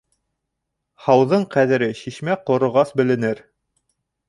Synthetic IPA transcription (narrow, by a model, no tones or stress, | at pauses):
hɑwðɤɴqæðɘ̆ɾɘʃiʃmæqŏɾŏʁɑsbɘ̆lɘ̆nɘɾ